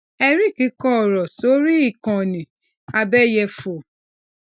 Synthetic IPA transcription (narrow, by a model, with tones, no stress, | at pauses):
ɛ˧ɾi˦ki˨˦kɔ˦˨ɾɔ˨so˨˦ɾi˦i˨kɔ̃˨nĩ˨ | a˧bɛ˦jɛ˧fo˨